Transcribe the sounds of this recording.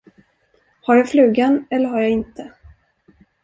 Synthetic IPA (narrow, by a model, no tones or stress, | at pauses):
haɾjaːflʉ̟ːɡanɛlːəɾɦaɾjaːɪnt̪ʰə